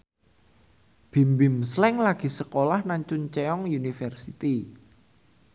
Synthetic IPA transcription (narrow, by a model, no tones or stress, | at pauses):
b̥i̤mbɪmslɛŋlaɡ̥i̤səkolahnaɲt͡ʃʊnt͡ʃeɔŋjunifərsit̪i